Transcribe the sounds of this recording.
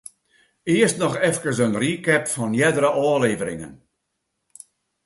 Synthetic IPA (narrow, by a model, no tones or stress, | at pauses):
ɪəstnɔχɛfkəsənrikɛpfɔnjɛdəɾəʔɔːleːvəɾɪ̰ŋə̰n